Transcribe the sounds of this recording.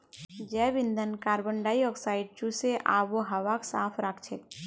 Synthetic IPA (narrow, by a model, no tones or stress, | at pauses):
d͡ʒɛːbɪ̃nd̪ʱənkaːɾbəɳɖaːiɔksaːɪɖ̚t͡ʃuseʔa̰ːpʋoɦɐʋaksaːpʰɾakʰt͡ʃʰeː